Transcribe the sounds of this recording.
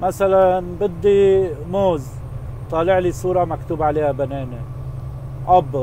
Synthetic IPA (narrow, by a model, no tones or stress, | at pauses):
masalanbɪd̪ːimoːz | t̪ˤɑːlɪʕlisˤuːɾˤɑmakt̪uːbaʕaleːhabaneːne | ʔɑbː